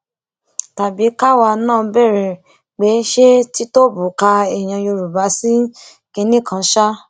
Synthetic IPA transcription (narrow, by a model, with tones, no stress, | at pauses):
ta˨bi˨˦ka˦wa˧nãː˦˨˧bɛ˦˨ɾɛ˨ | k͡pe˨˦ʃe˦ti˦to˦bu˨ka˧ɛ˨j̃ã˧jo˧ɾu˨ba˨˦si˦ | ke˧nĩ˦˨kã˨˧˦ʃa˦